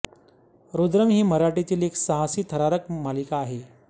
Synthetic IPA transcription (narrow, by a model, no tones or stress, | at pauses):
ɾod̪ɾəmɦiːməɾaʈit̪iːleksəɦasiːt̪ʰəɾaɾəkmalikaːɦe